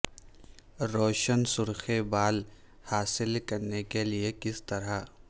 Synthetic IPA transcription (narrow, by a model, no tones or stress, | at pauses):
ɾoːʃənsʊɾxebaːl | haːsɪlkɐɾnekeliekɪst̪ɐɾa